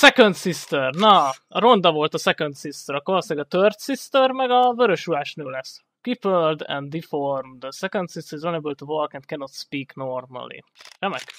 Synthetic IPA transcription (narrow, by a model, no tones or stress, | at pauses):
sɛkønt̪sist̪ørnɒɒɾo̞nd̪ɒvo̞lt̪ɒsɛkont̪sist̪øɾɒkolosaːɡɒt̪ørt̪sist̪ørmɛɡɒvøɾøʃulaːʃneːlɛs | kiføld̪ɛ̰nd̪d̪iformd̪əsɛkont̪sist̪ɾzonɛbølt̪uvolkɛnt̪̚kɛnot̪spiːknormɐ̰lḭrɛmɛk